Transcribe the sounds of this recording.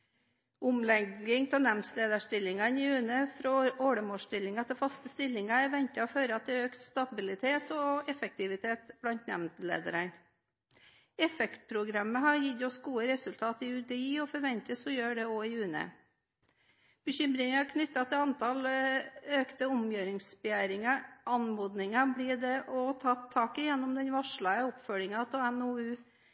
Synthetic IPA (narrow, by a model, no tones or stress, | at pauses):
ʊmlɛɡɪŋt̪ʰɛlnæmnsleːd̪əʂʈɪlɪŋɑnɪʉːnəfɾɔoːɽəmoːʂʈɪlːɪŋɑt̪ʰɪlfɑst̪əst̪ɪlːɪŋɑɛɾʋɛnt̪ɑɔføːɾəɑt̪̚d̪ɛøːkt̪st̪ɑbɪlɪt̪ʰeːt̪ɔɛfək̚t̪ɪʋɪt̪ʰeːt̪b̥lɑnt̪næmnt̪lḛːd̪ə̰ɾən | ɛfɛkt̪̚pʰɾʊɡɾɑmːəɦɑɾjɪd̪ɔsɡuːəɾɛsʉlt̪ʰɑːt̪ɪʉd̪ɛiːɔfɔɾʋɛnt̪əsɔjøːɖɛoːɪʉːnə̰ | b̥əɕʏmɾɪŋɑkʰnʏt̪ːɑt̪ʰɪɑnt̪ʰɑl | øːkt̪əʊmjøːɾɪŋsbɛjæːɾɪŋɑʔɑnmuːd̪nɪŋɑbliːd̪ɛʔɔt̪ʰɑt̪ʰːɑːkɪjɛnːʊmd̪ɛnʋɑʂɭɑəɔpfœɾɪŋɑt̪ʰɔɛnoʉː